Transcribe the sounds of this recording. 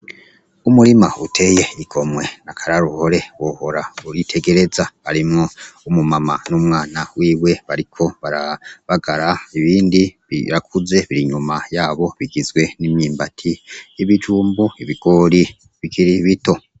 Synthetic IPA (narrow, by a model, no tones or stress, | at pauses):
umuɾima̰utʰe̞je̞iɡ̥o̞mwe̞nakʰaɾaɾuho̞ɾe̞wohoɾauɾitʰe̞ɡe̞ɾe̞zaβaɾimŋo̞umumamanumŋaːnawiːwe̞βaɾikʰo̞βaɾaβaɡaɾaiβiːndi | iɾakʰuze̞βiɾiɲumajaːβo̞βiɡizɡwe̞nimɲiːmbatʰijiβid͡ʒuːmbuiβiɡ̥o̞ːɾi | βikʰiɾiβito̞